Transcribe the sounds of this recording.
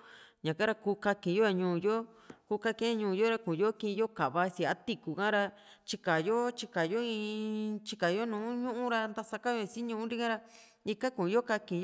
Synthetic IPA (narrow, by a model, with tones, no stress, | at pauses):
ɲã˨ka˦ɾa˧kuː˧˦ka˧kĩ˨˧jo˦a˧ɲũː˧˨jo˦ku˧˦ka˦˧kẽ˦ɲũː˧˨˧jo˦ɾa˧kũ˨jo˦kĩ˧jo˦ka˨βa˧˦˧si˧˨a˦t̪i˦ku˨kã˦ɾa˧ | t͡ʃi˧ka˨jo˦t͡ʃi˧ka˨jo˦ĩ˧t͡ʃi˧ka˨jo˦nũː˨˦ɲũ˦ʔũ˦ɾa˧nd̪a˧sa˧ka˦jo˧si˦ɲũ˧ũ˦ɾi˦kã˦ɾa˧ | i˧ka˦kũ˨˧jo˦ka˧kĩ˧